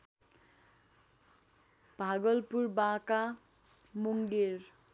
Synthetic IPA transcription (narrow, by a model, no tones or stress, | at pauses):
b̥ʱaɡʌlpuɾbãka | muŋɡiɾ